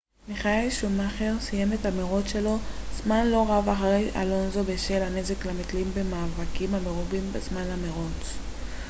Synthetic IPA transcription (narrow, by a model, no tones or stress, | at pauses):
miχaelʃumaχeʁsije̞met̪hameʁot͡sʃe̞lo̞zmanlo̞ʁavaχaʁejʔa̰lo̞nzo̞beʃelane̞zeklamit̪limbe̞maːvakimhame̞ʁubimbezmanlameʁot͡s